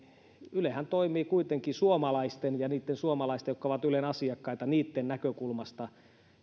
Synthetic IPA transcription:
ylehænt̪oimiːkuit̪eŋkisuomɑlɑist̪enjɑniːt̪ːensuomɑlɑist̪ejokːoʋɑt̪ylenɑsiɑkːɑit̪ɑniːt̪ːennækøkulmɑst̪ɑ

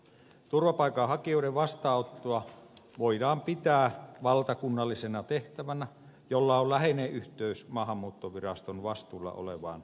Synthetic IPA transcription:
t̪urʋɑpɑˑikɑhɑkioiɾeʋʋɑst̪ɑːot̪ːoɑ | ʋoidɑːmpit̪æːʋɑlt̪ɑkunːɑlːisenɑt̪eht̪æʋænæ | jolːɑollæheneːʔʔyht̪øysmɑːhɑmːuːt̪ːoʋirɑst̪onʋɑst̪uːlːɑ̰ʔo̰lḛʋɑ̰ːn

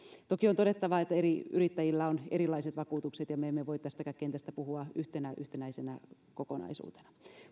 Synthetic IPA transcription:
t̪okiont̪odet̪ːɑʋɑet̪ːæeɾiyrit̪ːæjilːæoneɾilːˑɑiset̪ʋɑkuːt̪ukset̪jɑmeemːeʋoit̪t̪æst̪ækækkent̪æst̪æpuhuɑyht̪enæʔyht̪enæisenæ | kokonɑ̰isṵːt̪e̥nɑ̥

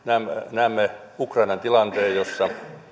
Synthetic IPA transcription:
næːmnæːmːe | ukrɑinɑnt̪ilɑnt̪eːjosːɑ

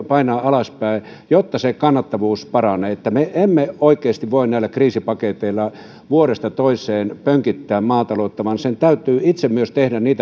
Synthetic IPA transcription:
pɑinɑːɑlɑspæˑi | jot̪ːɑsekɑnːɑt̪ːɑʋuːspɑrɑneet̪ːæmeʔemːeoˑikˑeːst̪iʋʋoinnæilækriːsipɑket̪eilːˑɑ | ʋuoɾest̪ɑt̪oisˑeːnpøŋkit̪ːæːmmɑːt̪ɑloˑːt̪ːɑʋɑnsent̪æyt̪ˑyːit̪semmyøst̪ehdæniːt̪æ

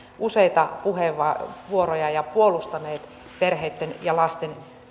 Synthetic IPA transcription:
useit̪ɑpuheʋɑʋuorojɑjɑpuolust̪ɑneːt̪ | perheit̪ːenjɑlɑst̪en

